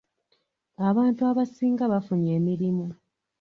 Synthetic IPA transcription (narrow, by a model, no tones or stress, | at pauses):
aβaːntuaβasiːŋɡaβafuɲe̞ːmiɾimu